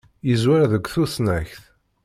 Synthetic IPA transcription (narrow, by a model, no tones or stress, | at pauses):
jəzwaɾðəɡʷθusnæçθ